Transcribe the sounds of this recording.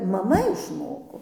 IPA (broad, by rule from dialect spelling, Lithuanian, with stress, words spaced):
mɐˈmɐ ɪʃˈmoːkoː